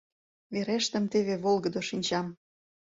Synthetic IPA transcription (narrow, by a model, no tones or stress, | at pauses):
βeɾeʃt̪ə̆mt̪eβeβolˠɣə̆d̪oʃinʲt͡ɕɑm